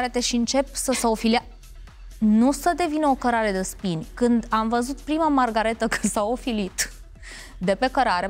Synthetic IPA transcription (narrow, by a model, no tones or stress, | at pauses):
ɾet̪eʃiɨnt͡ʃe̞psəsaofilia | nusəd̪e̞vinəokəɾaɾe̞d̪espinʲkɨnd̪amvəzut̪̚pɾimamarɡaɾe̞t̪əkɨnd̪saofilit̪ | d̪e̞pe̞kəɾaɾe